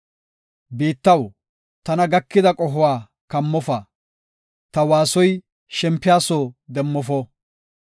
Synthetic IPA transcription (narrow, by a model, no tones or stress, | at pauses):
beːt̪ːɐw | t̪ɐnɐɡɐkːɪd̪ɐkʼɔɦʊwaː | kɐmːɔfɐ | t̪ɐwaːsɔj | ʃɛmpːɪjaːsod̪ɛmːɔfɔ